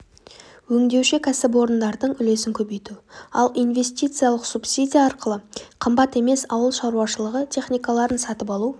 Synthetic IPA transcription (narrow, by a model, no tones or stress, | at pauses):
wɵŋd̪e̞wʃɪkʲʰæsɪb̬o̞ɾənd̪ɑɾd̪əɴʏle̞sɪŋkʲʰɵbe̞jt̪uɑ̰lˠijnve̞s̬ʲt̪ijt̪sɨjalˠəqsupsidʲijaːɾqəlˠəqʰəmbɑt̪e̞me̞sɑwəlˠʃɑɾuwɑʃəlˠəʁət̪ʰʲe̞χnʲijkalˠɑɾənsɑt̪əpɑlˠu